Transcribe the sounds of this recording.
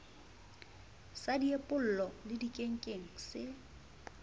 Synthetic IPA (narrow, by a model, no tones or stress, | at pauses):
sadiepʼʊl̩lɔlɪdikʼeŋ̩kʼeŋ̩sɪ